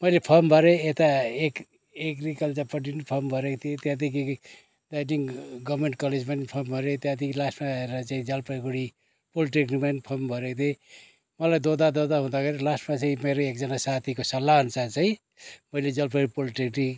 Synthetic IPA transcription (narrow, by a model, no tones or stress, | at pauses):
mʌjlepʰʌmbʱʌɾeet̪aek | ekrikʌlt͡sapʌʈinipʰʌmbʱʌɾekt̪ʰiet̪jãt̪̬iki | dajniŋɡʌbmeɳʈ̚kʌled͡zmanipʰʌmbʱʌɾet̪jãt̪ikilasʈmaeɾʌt͡saĩd͡zʌlpʰʌɡuɽi | poliʈikrimanipʰʌrmbʱʌɾekt̪ʰe | mʌlajd̪od̪ad̪od̪aɦũd̪aɡʰʌɾilasʈmat͡saĩmeɾoek̚d͡zʌnasat̪ʰikosʌlːant͡sʰat͡saĩ | mʌjled͡zʌlpʰʌɾipoliʈikri